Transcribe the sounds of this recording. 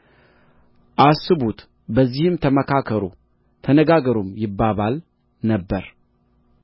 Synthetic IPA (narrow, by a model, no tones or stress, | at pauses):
ʔasːɨbut̪ | bəzːihɨmt̪ʰəməkʰakʰəɾo̰ | t̪ʰənəɡaɡəɾomjɪbːaβal | nəbːəɾ